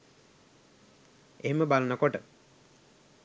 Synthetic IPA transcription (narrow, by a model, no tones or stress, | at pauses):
eɦeməbalənəkoʈə